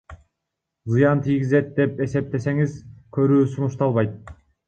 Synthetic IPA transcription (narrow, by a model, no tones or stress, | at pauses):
zɯjɑnt̪ʰijɡʲize̞t̪̚d̪e̞pe̞se̞p̚t̪e̞se̞ŋizkʰø̞ɾyːsunuʃt̪ɑlˠβɑjt̪̚